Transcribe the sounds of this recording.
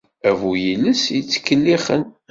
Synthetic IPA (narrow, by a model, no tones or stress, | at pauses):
ævujiləsjət͡sːə̥kːəlːiχən